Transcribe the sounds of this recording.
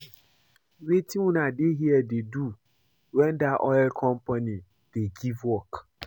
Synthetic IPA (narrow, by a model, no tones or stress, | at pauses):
ɾetʰĩwũnadeɦiɛdedu | wɛ̃ndaʔɔɛlkʰɔ̃mpʰanĩ | d̥eɡivwɔk